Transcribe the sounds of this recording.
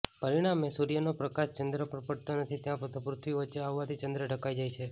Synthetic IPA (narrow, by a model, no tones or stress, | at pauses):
pəɾiɽ̃amesuɾijənopɾəkaʃt͡ʃənd̪ɾəpəɾpəɽt̪onət̪ʰit̪jãpɾət̪ʰə̃pɾʊt̪ʰʋiʋətːʃeaʋːat̪ʰit͡ʃənd̪ɾəɖʱəkajd͡ʒajt͡ʃʰe